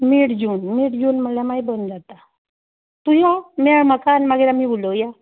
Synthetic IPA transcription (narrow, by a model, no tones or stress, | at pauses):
miɽd͡ʑuːnmiɽd͡ʑuːnməlamaibənd͡zat̪a | t̪ujameɭməkanmaɡeɾamibuloja